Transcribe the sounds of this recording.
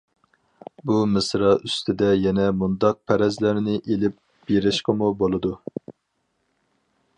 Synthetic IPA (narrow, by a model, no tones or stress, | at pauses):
bumɨsɾɑʔyst̪ʰɪd̪ɛjɛnɛmund̪ɑq̚pʰɛɾɛzlæɾnɪʔelɪp̚ | b̥eɾɪʃqəmubolˠɨd̪u